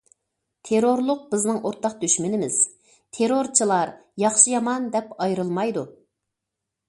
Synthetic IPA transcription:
t̪ʰeɾoɾlˠʊq̚b̥ɪznɨŋoɾt̪ʰɑq̚d̪yʃmɪnɪmɪz̥ | t̪ʰeɾoɾt͡ʃʰɨlˠɑɾjɑχʃɨjɑmɑnd̪ɛpɑjɾɨlˠmɑjd̪u

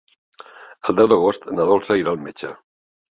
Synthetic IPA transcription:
əlˠd̪ɛwðəɣ̞ost̪nəðolˠsəiɾaːlˠmet͡ʃə

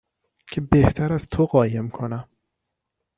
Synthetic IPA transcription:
cʰe̞be̞ht̪ʰæɾæz̥t̪ʰoɢɒːje̞mkʰo̞næm

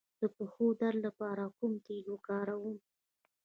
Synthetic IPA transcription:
d̪̥əpəxod̪aɾlapɑɾakʊmt̪elokɑɾawum

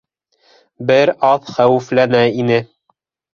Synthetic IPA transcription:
bɘɾɑðχæwɘ̆flænæinɘ

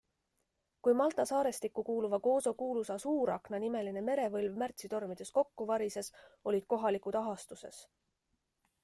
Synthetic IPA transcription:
kujmɑlt̪ˑɑsɑːɾe̞st̪ikːukuːluvɑko̞ːso̞kuːlusɑsuːɾɑknɑnime̞line̞me̞ɾe̞vɤlvmært̪sit̪o̞rmid̪̥e̞sko̞kːuvɑɾise̞so̞lʲid̪̥̚ko̞ɦɑlikut̪ɑɦɑst̪use̞̰s

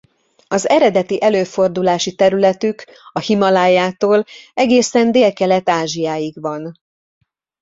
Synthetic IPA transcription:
ɒzɛɾɛd̪ɛt̪iʔɛløːfo̞rd̪ulaːʃit̪ɛɾylɛt̪yk | ɒhimɒlaːjaːt̪oːlɛɡeːsɛnd̪eːlkɛlɛt̪aːʒijaːjiɡʋɒn

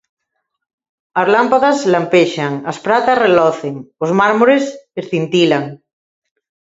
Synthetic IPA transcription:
azlampaðazlampeʃaŋaspɾat̪asrelɔθeŋozmaɾmoɾesesθint̪ilaŋ

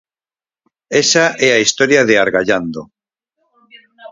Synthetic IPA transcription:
esaʔɛaist̪oɾjaðeaɾɣaʎand̪o

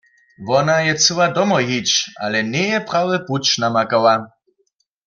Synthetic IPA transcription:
ʋɔnajɛt͡sɨwadɔmɔɦit͡ʃa̰lɛnɛjɛpʁawɛput͡ʃnamakawa

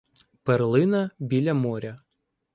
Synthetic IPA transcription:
pɛɾlˠɪnɐbʲilʲɐmɔɾʲɐ

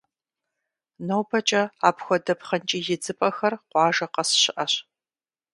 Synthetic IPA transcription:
nowpʰɐt͡ʃʼɐaːpxʷɔdɐpχɐnt͡ʃʼiːjɪd͡zɨpʼɐxɐrqʷɑːʒɐqɐsɕɪʔɐɕ

